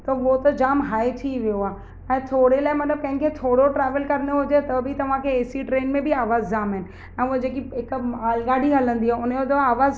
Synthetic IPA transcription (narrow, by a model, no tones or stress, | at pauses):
t̪ɐot̪ɐd͡ʑaːmɦaːet̪ʰiʋijoaː | ɛ̃ːt̪ʰoːɽelaːɪmɐt̪ləb̚kɐ̃ɦɪ̃kʰeːt̪ʰoːɽoʈɾɛːʋəlkɐɾənoɦʊd͡ʑet̪ɐbʱit̪ɐʋ̤ãkʰeːsiʈɾeːnmẽbʱiaːʋaːzd͡ʑaːmɦɪnɪ̆ | ɛ̃ːɦd͡ʑeːk̬iɦɪkaːlɡaːɖiɦɐlə̃nd̪iaːʊnjot̪ɐaːʋaːz